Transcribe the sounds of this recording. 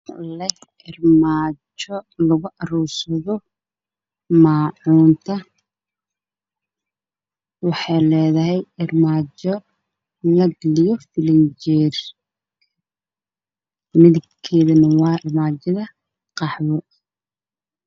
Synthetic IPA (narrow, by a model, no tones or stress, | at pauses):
lɐ | ɪrmaːt͡ʃɔlɐɣʊʔɐruːsɐðɔ | maːʕuːnt̪ʰɐ | wɑħɑjlɛːðɐɦɛjɪrmaːt͡ʃɔ | lɐɡɐlɪjɔfɪlɐnt͡ʃɛːr | mɪðɪɡkʰːɛːðɐnɐwɑːɪrmaːt͡ʃɐðɐ | qɑħwɔ